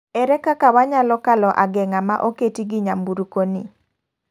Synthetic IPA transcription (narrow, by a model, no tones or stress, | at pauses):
ɛɾɛkakawaɲalɔkalɔʔaɡɛŋamaʔoketiɡɪɲambuɾukonḭ